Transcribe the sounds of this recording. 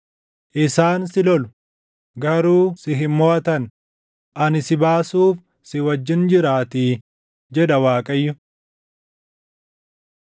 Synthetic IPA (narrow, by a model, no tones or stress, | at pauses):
ʔɪsaːnsɪlɔlʊ̥ | ɡɐɾuːsɪɦɪmːoːɐt̪ɐn | ʔɐnɪsɪbaːsuːf | sɪwɐd͡ʒːɪnd͡ʒɪɾaːt̪iː | d͡ʒɛᶑɐwaːkʼɐjːʊ